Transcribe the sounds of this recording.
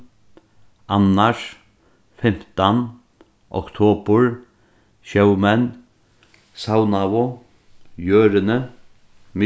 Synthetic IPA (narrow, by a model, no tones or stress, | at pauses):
anːaʂ | fɪm̥t̪an | ɔ̰kt̪ʰoːpʊɹ | ʃœwmɛn | sawnaʋʊ | jøːɾɪnə | mɪ